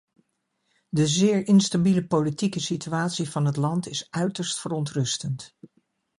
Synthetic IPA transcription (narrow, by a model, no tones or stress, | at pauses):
dəzɪːɹʔɪnstabiləpowlitikəsityaːtsivɑnɦətlɑntɪsœɥtəɹstfərɔntrɵstənt